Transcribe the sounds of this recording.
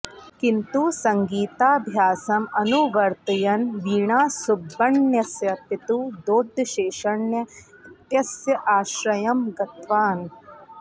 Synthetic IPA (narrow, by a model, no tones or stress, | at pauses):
kint̪uːsɐŋɡiːt̪aːbʱjaːsɐmɐnuʋɐɾt̪ɐjɐnʋiːɳaːsubːɐɳnjɐsjɐpit̪uːd̪oːd̪ɐʃeːʃɐɳːjɐt̪jɐsjɐʔaːʃɾɐjɐmɡɐt̪ʋaːn